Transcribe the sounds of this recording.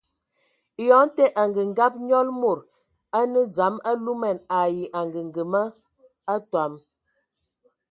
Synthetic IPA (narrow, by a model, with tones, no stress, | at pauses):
jɔ˨˦n˦tɛ˦ʔa˨ŋɡə˨ŋ˦ɡa˦p̚ɲɔ˦lmo˨ɾ | a˦nə˦d͡za˨˦ma˦lu˦mɛ˨na˨ji˨ʔa˨ŋɡə˨ŋ˨ɡə˨mə˦ | a˦twa˨m